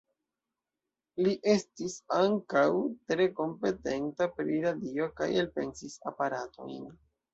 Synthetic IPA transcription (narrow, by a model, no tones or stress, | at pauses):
liʔe̞stisaŋkawtɾe̞ko̞mpe̞te̞ntapɾiɾadio̞ka̰jelpe̞̰nsisa̰paɾatʰo̞̰jn